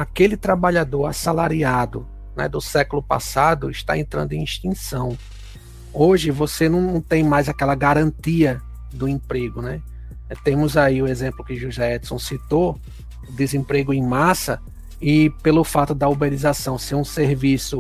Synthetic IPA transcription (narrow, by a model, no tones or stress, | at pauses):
akelɪt̪ɾabaʎad̪oɾasalaɾiad̪ʊ | nɛ̰d̪ʊsɛkʊlʊpa̰sad̪ʊɪʃt̪a̰ẽnt̪ɾɐ̃nd̪ʊẽĩʃt̪ĩsɐ̃w̃ | oʒɪvosenɐ̃w̃nɐ̃w̃t̪ẽj̃majzakɛlɐɡaɾɐ̃nt̪iɐ | d̪ʊẽpɾeɡʊnɛ | t̪ẽmʊzaiʊezẽmplʊkɪʒuzɛɛd̪sõw̃sit̪o | d̪ezẽpɾeɡʊẽj̃masɐ | ɪpelʊfat̪ʊd̪ɐobeɾizasɐ̃w̃seɾũseɾvisʊ